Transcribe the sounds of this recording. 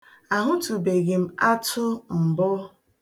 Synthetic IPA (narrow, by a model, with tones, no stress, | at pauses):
a˨ɦʊ˦tu˨be˨ɡɪ˨m̩˦a˦tʰʊ˦m̩˨bɔ˦